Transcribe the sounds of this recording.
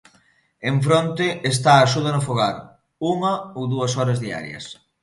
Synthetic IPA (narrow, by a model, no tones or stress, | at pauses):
eɱfɾont̪ɪest̪aːʃuðɐnʊfoɣaɾ | uŋɐowðuɐsɔɾɐzðia̰ɾjɐ̰s